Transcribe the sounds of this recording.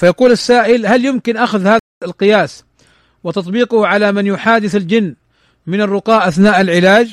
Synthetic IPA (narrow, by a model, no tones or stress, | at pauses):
fajɑquːlasːaːʔɪlhaljɪmkɪnʔaxʊðhaː | lqɨjaːs | wɪt̪ɑt̪ˤbiːqʊhʕalamɪnjʊħaːd̪ɪθald͡ʒɪnː | mɪnɪrːʊqɑːʔʔaθnaːʔalʕɪlaːd͡ʒ